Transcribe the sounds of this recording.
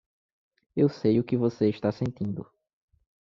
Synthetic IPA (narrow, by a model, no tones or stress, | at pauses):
ewsejʊkɪvoseɪʃt̪asẽnt̪ĩnd̪ʊ̰